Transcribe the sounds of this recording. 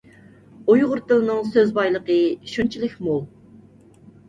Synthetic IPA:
ujʁʊɾt̪ɨlˠnɨŋsøzbɑjlˠəqəʃunt͡ʃʰilˠɪkʲmu

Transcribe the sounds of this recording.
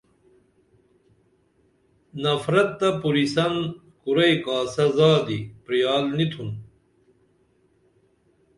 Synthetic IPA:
nɐfɾɐt̪̚ːɐpuɾisɐn | kuɾɐjkaːsɐzaːd̪ipɾijaːlnit̪ʰun

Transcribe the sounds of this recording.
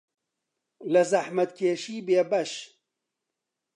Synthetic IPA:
lɐzɐħmɐt̪kʰeːʃiːbeːbɐʃ

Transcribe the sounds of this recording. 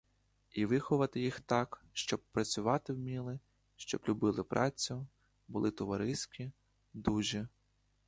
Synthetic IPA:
iʋɪxɔʋɐt̪ɪjixt̪ɑkʃt͡ʃɔb̚pɾɐt͡sʲʊʋɑt̪ɪwmʲilˠɪ | ʃt͡ʃɔ̰blʲʊbɪlˠɪpɾʔɑt͡sʲʊ | bʊlˠɪt̪ɔʋɐɾɪsʲkʲi | d̪uʒɛ

